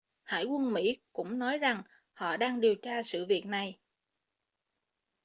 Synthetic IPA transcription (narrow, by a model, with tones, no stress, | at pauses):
ha̰ː˧˩jkwə˧nmḭ˧˥kʊ̰˧˥ŋ͡mnɔ˨˦jza˨˩ŋ | hɔ̰˧˨ɗaː˧ŋɗi˨˩əwt͡ɕaː˧sɨ̰˧˨vi˨˩ək̚na˨˩j